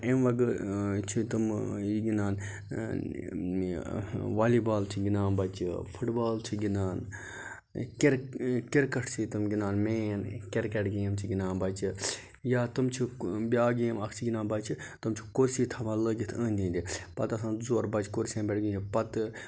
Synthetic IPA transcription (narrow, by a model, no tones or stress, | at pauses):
emʋɐɡt͡ʃʰit̪ɨmjiɡinaːn | ʋaːlibaːlt͡ʃʰiɡinaːnbɐt͡ʃipʰuʈbaːlt͡ʃʰiɡinaːn | keɾkeɾkɐʈʰt͡ʃʰit̪ɨmɡinaːnmeːnkʲeɾkeʈɡeːmt͡ʃʰiɡʲinaːnbɐt͡ʃi | jaːt̪ɨmt͡ʃʰibʲaːɡeːmɐkʰt͡ʃʰiɡʲinaːnbɐt͡ʃʰit̪ɨmt͡ʃʰi̥koɾsiːt̪ʰɐʋãːləɡʲit̪ʰəːnʲd̪ʲĩːnʲd̪ipɐt̪ɐsãːnd̪zuɐɾbɐt͡ʃʰkoɾsẽːmbʲeʈɡinʲipɐt̪